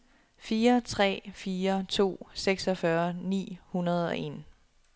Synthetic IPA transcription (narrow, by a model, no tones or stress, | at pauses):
fiːɐt͡sʰʁɛ̰ːfiːɐt͡sʰo̝̰ːseɡ̥sɒfɶɐnḭːhunɐð̞ˠɒ̽ʔe̝n